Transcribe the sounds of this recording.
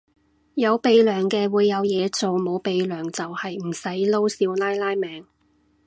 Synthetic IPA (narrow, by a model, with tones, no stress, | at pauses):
jɐ˨˧wpe˨˧jlœː˨˩ŋkɛː˧wuː˨˧jːɐ˨˧wjɛː˨˧t͡so˨wmo˨˧wpe˨jlœː˨˩ŋt͡sɐ˨whɐ˨jm̩˨˩sɐ˨˥jlo˥wsiː˨˧wlaː˥jlaː˥jmɛː˨˧ŋ